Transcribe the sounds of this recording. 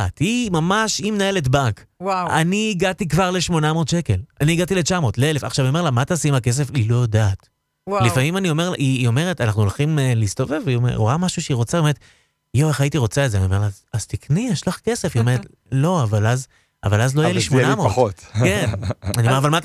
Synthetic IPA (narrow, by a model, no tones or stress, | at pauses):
atimamaʃimenaelet̬baŋk | wawa̰niːɡatikvaʁleʃmo̞namo̞ːd̪ʃeke̞laniːɡatilet͡ʃamo̞tleele̞faχʃavioelamat̪asimake̞s̬efilo̞jdaːt | lifamimanio̞me̞ʁlaʔiːo̞me̞ʁetanaχnuolχimliistove̞vomeṵʁamaʃuʃeiʁo̞t͡sabe̞et̪ | joeχajitiʁo̞t͡saezeaniome̞ʁlazazt̪iknijeʃlaχke̞se̞fiomeʁet | lo̞avalaz | a̰valazlo̞ajeliʃmonamoχot̪kenaniomeavalmat